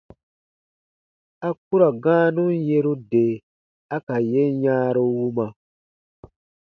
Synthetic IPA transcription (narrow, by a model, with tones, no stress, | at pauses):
a˦k̚u˦ɾa˨ɡãː˦nũ˦n˦je˦ɾu˦de˨ | a˦ka˨je˦ɲãː˦ɾo˦wu˦mã˨